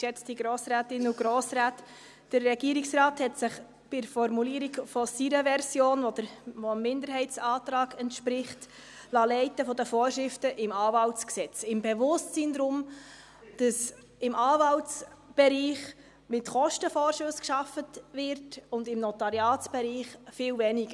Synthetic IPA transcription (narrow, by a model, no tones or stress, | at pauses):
ʃɛt͡stiɡɾoːsɾæːtɪnuɡɾoːsɾæːt | d̥ərːɛɡiːəɾiksrɑːthɛtsɪχ | b̥ɪfɔɾmuliːɾiɡfɔsiɾəvɛɾsjoːnʋɔd̥əɾʋɔmːɪndəɾɦɛɪtt͡sɑːtɾɑːɡɛntʃpɾɪχt | lɑːlɛɪtəfɔdəfoːɾʃɾɪftəʔɪmɑːvɑltt͡sksɛt͡sɪmbɛvʊstt͡siːnd̪ɾʊm | d̥ɑs | ɪmʔɑːvɑltsb̥ɛɾiːχ | mɪtχɔʃtəfɔːɾʃʊskʃɑfətvɪɾtʊndɪmnɔtɑɾjɑːtsb̥ɛɾiːχfɪlvɛniɡ̥ə